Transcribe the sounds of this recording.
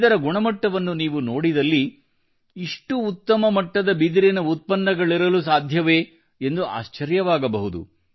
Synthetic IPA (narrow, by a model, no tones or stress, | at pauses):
d̪ɐɾɐɡuɳɐmɐʈːɐʋɐnːuniːʋunoːɽid̪ɐlːiː | ʂʈuːt̪ːɐmɐmɐʈːɐd̪ɐbid̪iɾinɐut̪̚pɐnːɐɡɐɭiɾɐlusaːd̪ʱjɐʋeː | end̪ua̰ːʃt͡ʃɐɾjɐʋaːɡɐbɐɦud̪ṵ